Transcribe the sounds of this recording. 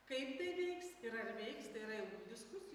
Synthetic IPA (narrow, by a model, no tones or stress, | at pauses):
kɐɪpt̪ɐɪʋʲɛɪksɪɾɐrʋʲɛɪkst̪ɐɪiɾɐjɛɡud̪ʲɪskʊsʲɪ